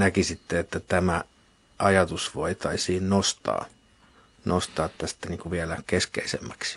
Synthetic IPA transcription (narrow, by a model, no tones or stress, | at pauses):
nækisit̪ːeet̪ːæt̪æmæ | ʔɑjɑt̪usʋoit̪ɑisiːnnost̪ɑ̰ː | nost̪ɑːt̪t̪ːæst̪æniːŋkuʋiælækeskḛisḛmːæksi̥